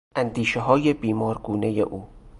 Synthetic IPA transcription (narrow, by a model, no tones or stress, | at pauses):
ʔænd̪iːʃeɦɒːjebiːmɒːɾɡuːne̞jḛʔuː